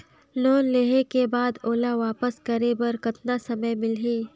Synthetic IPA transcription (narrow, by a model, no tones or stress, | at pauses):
loːnleɦekebaːd̪oːlaʋaːpəskɐɾebɐɾkɐt̪nasɐməjmɪlɦiː